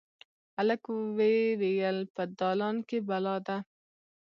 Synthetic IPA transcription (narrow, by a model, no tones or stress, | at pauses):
aləkwewejəlpəd̪ɑlɑnkebalɑd̪a